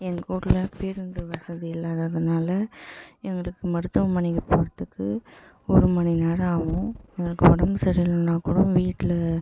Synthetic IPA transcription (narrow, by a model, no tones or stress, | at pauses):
ɛŋɡɐuːɽlɐpeɾɯnd̪ɯʋɐsɐðiɪlːaːðɐːðɐnaːlɐɛŋɡɐɭɯkːɯmɐɾɯt̪ːɐʋɐmɐnɪkːɐpoːɽɐt̪ːɯkːɯ | ɔɾɯmɐnɪnaːɾaːʋʊ̃ɛŋɡɐɭɯkːɯɔɽɐmɯsɐɾɪjlɐnaːkːɽʊ̃ʋiːʈːɪlɐ